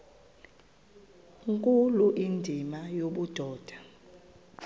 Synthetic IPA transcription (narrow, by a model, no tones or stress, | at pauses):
ŋkʼuluʔindʱimajoɓud̥ʱɔːd̥ʱa